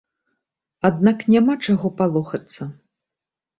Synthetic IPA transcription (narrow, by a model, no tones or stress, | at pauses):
ad̪naknʲamat͡ʂaɣɔpalˠɔxɐt̪sːɐ